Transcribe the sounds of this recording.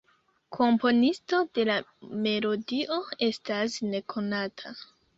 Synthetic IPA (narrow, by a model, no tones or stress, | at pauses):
kʰo̞mpo̞nisto̞de̞lame̞lo̞diʔo̞e̞stasne̞kʰo̞natʰa